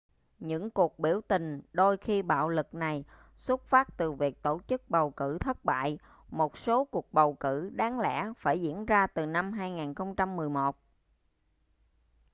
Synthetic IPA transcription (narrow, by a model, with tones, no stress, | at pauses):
ɲɨ̰˧˥ŋku˨˩ək̚ɓi˧˩əwt̪ï˨˩ŋ̟ɗo˧jxi˧ɓa̰ː˧˨wlɨ˨˩k̚na˨˩j | swə˦˥t̚faː˦˥t̚t̪ɨ˨˩vi˨˩ək̚t̪o˧˩t͡ɕɨ˦˥k̚ɓə˨˩wkɨ̰˧˩t̪ʰə˦˥t̚ɓa̰ː˧˨j | mo˨˩t̚so˨˦ku˨˩ək̚ɓə˨˩wkɨ˧˩ɗaː˨˦ŋlɛ̰˧˥faː˧˩jzḭ˧˥ənzaː˧t̪ɨ˨˩na˧mɦaː˧jŋaː˨˩nxə˧wŋ͡mt͡ɕa˧mːɨ˨˩əjmo˨˩t̚